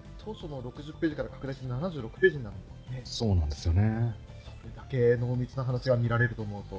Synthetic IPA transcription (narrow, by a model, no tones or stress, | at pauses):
t̪ʰo̞ːɕo̞noɾo̞kɯ̟ʑɨpːe̞ːʑikaɾakḁkɯ̟d̪aiɕenanaʑɨːɾo̞kɯ̟̥pe̞ːʑĩnːãnd̪esone̞so̞ːnãnd̪e̞sɨjo̞ne̞ | so̞ɾe̞d̪ake̞no̞ːmʲit͡sɨnaɦanaɕiɡamʲiɾaɾe̞ɾɯ̟t̪o̞ːmo̞ɯ̟t̪o̞